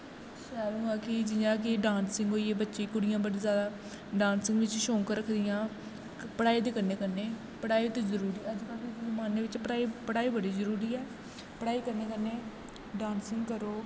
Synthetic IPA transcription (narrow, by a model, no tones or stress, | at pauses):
ʃɛːlũːaːkɪd͡ʒɪjãːk̬ɪɖaːnsɪ̃ŋɡɦoːieːbətːʃeːikʊɽɪjãːbəɽiːzjaːd̪aː | ɖaːnsɪ̃ŋɡʋɪt͡ʃʃõːŋkəɾəkʰd̪ɪjãː | pəɽaːiːd̪eːkənːeːkəneː | pəɽaːiːt̪õːzəɾuːɾiːəd͡ʒkəlkeəmaːneːʋɪt͡ʃəaːipəɽaːiːbəɽiːzəɾuːɾiːɛː | pəɽaːiːkəɾneːkəɾneː | ɖaːnsɪŋɡkəɾoː